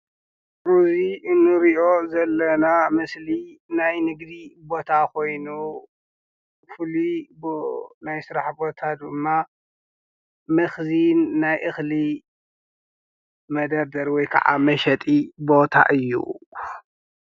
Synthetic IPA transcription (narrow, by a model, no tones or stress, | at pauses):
ʔuziʔɨnːɨɾiʔo̞zɐlːɐnamɨslinajnɨɡd̪ibo̞t̪ʰakʰo̞jnu | fɨlibnajsɨɾaħbo̞t̪ʰad̪ɨmːa | mɨxzinːajʔɨxli | mɐd̪ɐɾd̪ɐɾwɔjkʰɐ̰ʕa̰mɐʃɐt̪ʼibo̞t̪ʰa̰ʔɨjːṵ